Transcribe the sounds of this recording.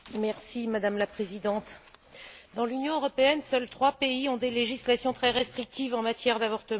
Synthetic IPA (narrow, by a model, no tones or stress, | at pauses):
mɛʁsimad̪amlapχezid̪ɑ̃t̪ | d̪ɑ̃lynjɔ̃øʁɔpeɛnsœlt̪χwapeiɔ̃d̪eleʒislasjɔ̃t̪χɛʁɛst̪χik̚t̪ivɑ̃mat̪jɛʁd̪avɔʁt̪əm̃ɑ̃